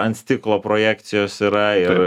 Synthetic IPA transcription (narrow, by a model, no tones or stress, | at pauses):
ɐnʲt̪sʲt̪ʲɪklˠoːpɾoːjæːkt̪sʲɪjoːsiːɾɐɪr